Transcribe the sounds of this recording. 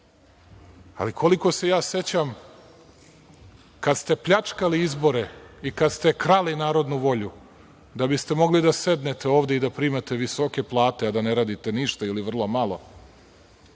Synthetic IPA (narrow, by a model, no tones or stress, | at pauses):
a̰likʰo̞liko̞se̞jaːse̞t͡ɕam | kad̪st̪e̞pʎat͡ʂkaliizbo̞ɾeikad̪st̪e̞kɾalinaːɾo̞d̪nuʋo̞ʎu | d̪abist̪emo̞ɡlid̪ase̞d̪ne̞t̪e̞oːʋd̪eid̪apɾiːmat̪e̞ʋiso̞ke̞plˠaːt̪ead̪aneɾaːd̪it̪e̞niʃt̪ailiʋr̩lˠomalˠo̞